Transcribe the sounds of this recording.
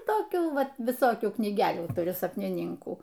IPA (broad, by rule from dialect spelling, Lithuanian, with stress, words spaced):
toːˈkʲuː ˈʋɐt ʋʲɪˈsoːkʲuː knʲiːˈɡʲæːlʲuː tʊˈrʲʊ sɐpʲnʲɪˈnʲɪŋkuː